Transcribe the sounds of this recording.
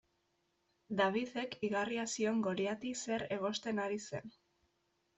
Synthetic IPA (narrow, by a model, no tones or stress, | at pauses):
d̪aβiðe̞kiɣariasio̞ŋɡo̞ɾjat̪ise̞ɾe̞ɣ̞o̞st̪e̞naɾise̞̰n